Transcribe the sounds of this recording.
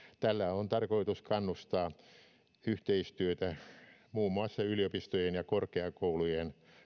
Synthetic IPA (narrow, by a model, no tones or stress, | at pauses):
t̪ælːæont̪ɑrkoit̪uskɑnːust̪ɑː | yht̪eist̪yøt̪æmuːmːuɑsːɑyliopist̪ojenjɑkorkeɑkoulujen